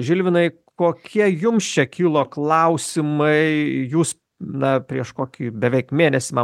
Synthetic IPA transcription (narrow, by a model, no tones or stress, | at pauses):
ʒʲɪlʲʋʲɪnɐɪ | koːkʲʰiɛjʊmst͡ʃʲɛkʲiːlˠoːklˠɐʊsʲɪmɐɪjuːs | nɐpʲɾʲiɛʃkoːkʲiːbʲɛʋʲɛɪkmʲeːnʲɛsʲɪmɐ